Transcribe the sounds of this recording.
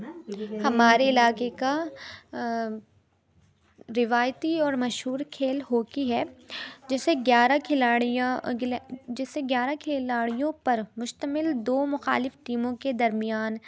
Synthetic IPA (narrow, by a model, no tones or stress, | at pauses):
hɐmaːɾeɪlaːkeka | ɾɪʋaːjt̪iɔːɾmɐʃɦuːɾkʰeːlɦoːkiɦɛd͡ʒɪseɡjaːɾakʰɪlaːɽj | d͡ʒɪseɡjaːɾakʰeːlaːɽijõpɐɾmʊʃt̪əmɪld̪oːmʊxa̰ːlɪfʈiːmõked̪ɐɾmɪjaːn